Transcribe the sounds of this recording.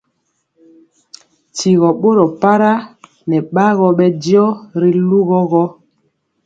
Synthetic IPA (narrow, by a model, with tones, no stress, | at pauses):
ti˨ɣɔ˨ɓo˦ɾɔ˨pa˦ɾa˦ | nɛ˨ɓa˦ɣɔ˨ɓɛ˦djɔ˦ɾi˦lu˦ɣɔ˦ɣɔ˦